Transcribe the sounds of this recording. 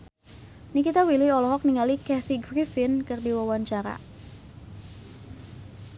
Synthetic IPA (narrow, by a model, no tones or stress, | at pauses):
nikit̪awiliɔlɔɦɔk̚niŋalikɛθiɡɾifɪnkɨrdiwawaɲt͡ʃaɾa̰